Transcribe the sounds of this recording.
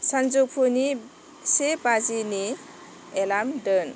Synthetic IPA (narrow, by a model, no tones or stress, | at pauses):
sand͡ʒupʰuni | sebazini | elamdən